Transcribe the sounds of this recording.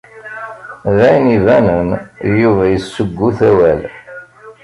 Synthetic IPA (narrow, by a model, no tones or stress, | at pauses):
ðæjnivænənjuvæjəsːəɡːuθæwæl